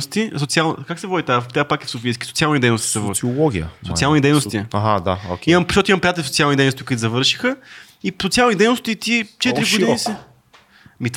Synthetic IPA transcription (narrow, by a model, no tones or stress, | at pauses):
st̪isot̪sialˠnkaksɛvɔd̪ʲit̪at̪ʲapakɛfsofiskʲi̥sot̪sialˠnid̪ɛjnost̪i̥sɛvɔiɔɡʲḭə̰sot̪ialˠnid̪ɛjnost̪iaɦad̪a̰oimɐmpoʃt̪ɔt̪oimɐ̃mpɾijat̪ɛlifsot̪ialnid̪ɛjnost̪ikit̪zɐvɤɾʃi̥xə | isot̪sialˠnid̪ɛjnost̪it̪it͡ʃɛt̪ɾiɡʊdiiisɛ | mit̪